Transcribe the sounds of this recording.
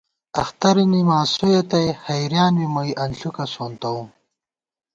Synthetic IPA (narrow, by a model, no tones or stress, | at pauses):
ɐ̰xt̪ɐɾinimaːsojet̪ɐjhɐjɾjaːnwimɐjʔɐnɬukɐsont̪ɐum